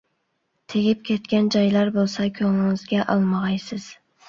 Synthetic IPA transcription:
t̪ʰeɡʲɪp̚kʲʰet̪̚kʲɛnd͡ʒɒjlɑɾbolˠsɑkʲʰɵŋɪŋɪzɡʲɛʔɑlˠmɑʁɑjsɪz̥

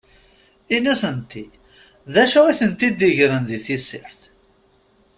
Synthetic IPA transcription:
inæsənt̪ːi | ðæʃæiθənt̪id̪iʝɾənðiθisɪ̰ɾθ

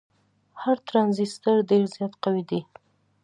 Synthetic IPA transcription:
haɾt̪ɾɑnzist̪əɾɖeɾzjɑt̪qawid̪i

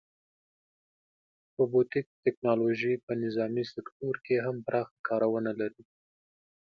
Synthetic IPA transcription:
pəbot̪ik̚t̪ɪknɑloʒipənɪzɑmisɪkt̪oɾkeɦampɾʔɑxḁkɑɾawənalaɾi

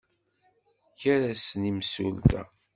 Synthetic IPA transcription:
çaɾæsnimsṵlt̪æ̰

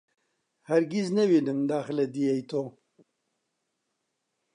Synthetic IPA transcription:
hɐɾɡiznɛwiːnɨmd̪aːxlɛd̪ijejt̪ʰoː

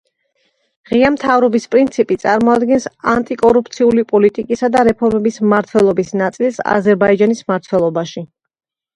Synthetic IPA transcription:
ʁiamt̪ʰavɾɔbispʼɾint̪sʰipʼit̪sʼaɾmɔad̪ɡɛnsant̪ʼikʼɔɾupʰt̪sʰiulipʼɔlit̪ʼikʼisad̪aɾɛpʰɔɾmɛbismaɾt̪ʰwɛlˠɔbisnat̪sʼilˠsa̰zɛɾbaid͡ʒanismaɾt̪ʰwɛlˠɔbaʃi

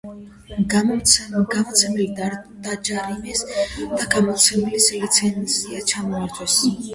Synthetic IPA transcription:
ɡamɔt̪sʰɛmɛli | d̪̥ad͡ʒaɾimɛsd̪̥aɡamɔt̪sʰɛmɛlislit̪sʰɛnsiat͡ʃʰamɔaɾd͡ʒʰʼwɛs

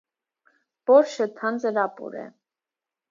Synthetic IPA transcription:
b̥ɔɾʃət̪ʰɑnd͡zəɾɑpṵɾɛ̰

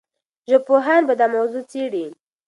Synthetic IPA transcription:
ʒəpoɦanbad̪amawzut͡seɽi

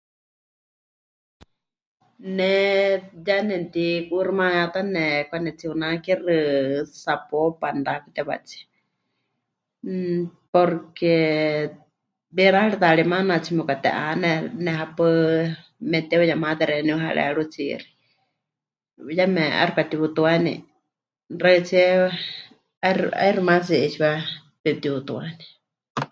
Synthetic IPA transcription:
nɛ | janɛnt̪ikurimãjat̪anɛkʷanɛt͡siunakirɨsapɔpand̪akɨt̪ɛβa̰t͡siɛ̥ | pɔɾkɛ | biɾaaɺiðaɺimanat͡sʰimukat̪ɛ̰ʔanɛnɛhapɨ | mɛt̪ɛujamat̪ɛɾɛniɦaɺɛ̰ɺut͡sḭɾi̥ | jamɛʔa̰ɾikat̪iβut̪uanḭ | ɾat͡siɛ | aɾa̰iɾɨmas̬iit͡ʃiwa | pɛt̪iβut̪uani

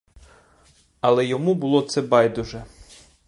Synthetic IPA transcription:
ɐlˠɛjɔmubʊlˠɔt̪sɛbɑjd̪ʊʒɛ

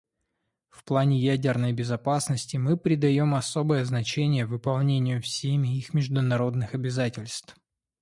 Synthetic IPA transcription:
fplˠanʲɪjædʲɪrnəjbʲɪzɐpasnəsʲtʲɪmɨpɾʲɪd̪ɐjo̞mɐso̞bəjəznɐt͡ɕenʲɪjəvɨpɐlˠnʲenʲɪjʊfsʲemʲɪixmʲɪʐd̪ʊnɐɾo̞d̪nɨxɐbʲɪzatʲɪlʲst̪f

